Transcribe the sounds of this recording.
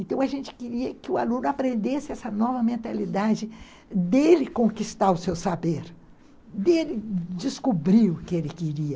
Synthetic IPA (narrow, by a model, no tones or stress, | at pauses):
ẽnt̪ɐ̃w̃ɐʒẽnt͡ʃɪ̥kɪɾiɐkɪʊa̰lũnʊapɾẽnd̪esɪɛsɐnɔvɐmẽnt̪alid̪ad͡ʒɪ | d̪elɪkõkist̪aɾʊsewsabeɾ | d̪elɪd͡ʒɪskubɾiɾʊkɪelɪkɪɾiɐ